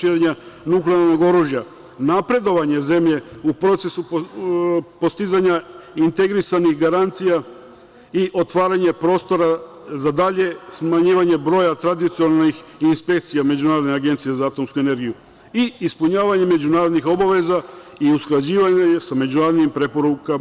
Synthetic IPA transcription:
ʃiɾeɲanukleaɾno̞ɡo̞ɾuːʒja | napɾe̞d̪o̞ʋaɲe̞ze̞mʎe̞upɾo̞t̪se̞su | po̞st̪izaɲaint̪e̞ɡɾisanixɡaɾant̪sija | iʔo̞t̪ʋaːɾaɲe̞pɾo̞st̪o̞ɾa | zad̪aʎe̞smaɲiːʋaɲe̞bɾo̞ːjat̪ɾad̪it̪sionnixinspe̞k̚t̪sijame̞d͡ʑunaːɾod̪neaɡe̞nt̪sijezaaːt̪o̞mskue̞ne̞ɾɡiju | iispuɲaːʋaɲe̞me̞d͡ʑunaːɾo̞d̪nixo̞baʋe̞zaiusklˠad͡ʑiːʋaɲɲesame̞d͡ʑunaːɾod̪nimpɾe̞po̞ɾuka

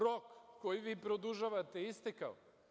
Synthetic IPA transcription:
ɾokːojiʋiːpɾod̪uʒaʋat̪eist̪ekao̰

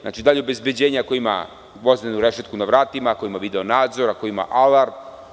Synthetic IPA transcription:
na̰t͡ʃid̪aːʎeobe̞zbe̞d͡ʑeːɲakoima̰ | ʋo̞znenuɾeʃet̪kunaʋɾaːt̪imako̞imaʋid̪eonaːd̪zo̞ɾakoima̰ʔalaɾb

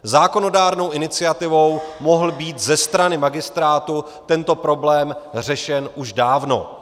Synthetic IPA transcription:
zaːko̞no̞daːɾno̞wʔɪnɪt͡sɪat̪ɪvo̞wmoɦl̩biːt̪zɛst̪ɾanɪmaɡɪst̪ɾaːt̪u | t̪ɛnt̪o̞pɾo̞blɛːmr̝ɛʃɛnʔuʒdaːvno̞̰

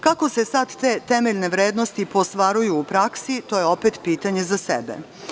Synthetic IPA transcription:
kako̞se̞sad̪ːe̞ːt̪e̞meʎne̞ʋɾeːd̪no̞st̪ipo̞st̪ʋaɾujuːpɾaksit̪o̞jeo̞pet̪piːt̪aɲe̞zasḛbḛ

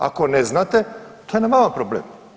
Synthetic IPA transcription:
a̰koneznat̪et̪ojenamamapɾoblḛm

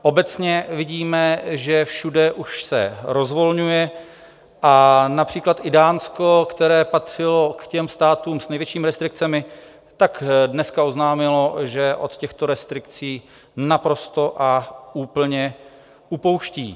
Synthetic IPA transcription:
ʔo̞bɛt͡sɲɛvɪɟiːmɛʒɛfʃudɛʔuʃsɛ̰ɾo̞zvo̞lɲujɛ | ʔanapr̝̥iːklat̪ʔɪdaːnsko̞kt̪ɛɾɛːpat̪r̥ɪlo̞kcɛmst̪aːt̪uːmsnɛjvjɛt͡ʃiːmɪɾɛst̪ɾɪk̚t͡sɛmɪ | t̪aɡdnɛskao̞znaːmɪlo̞ʒɛʔo̞̰t̪cɛxt̪o̞ɾɛst̪ɾɪkt͡siː | napɾo̞st̪o̞ʔauːpl̩ɲɛ | upo̞wʃcḭː

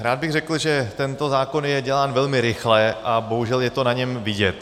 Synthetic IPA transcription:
ɾaːd̪̚bɪɣrɛkl̩ʒɛt̪ɛnt̪o̞zaːko̞njɛɟɛlaːnvɛlmɪɾɪxlɛʔabo̞ɦuʒɛljɛt̪o̞naɲɛmvɪɟɛt̪

